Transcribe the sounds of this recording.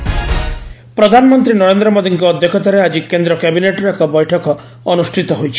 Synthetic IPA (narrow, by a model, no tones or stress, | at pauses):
pɾɔd̪ʱanɔmɔnt̪ɾinɔɾend̪ɾɔmod̪iŋkɔɔd̪ʱjɔkʰɔt̪aɾead͡ʒikend̪ɾɔkɛbineʈɔɾekɔbɔjʈʰɔkɔː | nusʈʰit̪ɔɦojt͡ʃʰi̥